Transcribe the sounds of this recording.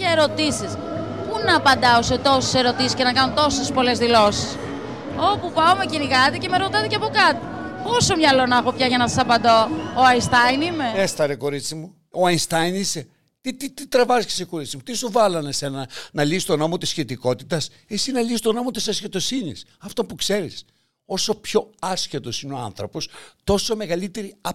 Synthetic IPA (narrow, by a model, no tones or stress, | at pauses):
ɐeɾo̞t̪isis | punɐːpɐnd̪ɐoset̪o̞se̥se̞ɾo̞t̪isiscenɐkɐnont̪o̞sespo̞le̞zðilo̞si̥s | o̞pupɐomeciniɣɐt̪ice̞meɾo̞t̪ɐt̪ecɐpo̞kɐt̪i | po̞so̞mɲɐlo̞nɐxo̞pçɐʝɐnɐsɐsɐpɐnd̪o̞ːɐinst̪ɐjnime̞est̪ɐɾeko̞ɾit͡simu | oɐinst̪ɐjnise | t̪it̪it̪it̪ɾevɐzci̥seko̞ɾit͡simut̪isuvɐlɐnese̞nɐnɐlisi̥t̪o̞no̞mot̪isçet̪iko̞t̪it̪ɐs | esinɐlisi̥t̪o̞no̞mo̞t̪isɐsçet̪o̞sinḭsɐft̪opukse̞ɾis | o̞so̞pço̞ɐsçet̪o̞sineo̞ɐnθɾo̞po̞st̪o̞so̞me̞ɣɐlit̪e̞ɾiɐ